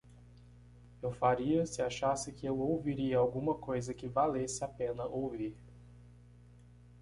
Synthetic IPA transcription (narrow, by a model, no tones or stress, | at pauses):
ewfaɾiɐsɪaʃasɪkɪewowviɾiɐawɡũmɐkojzɐkɪvalesɪapẽnɐʔowviɾ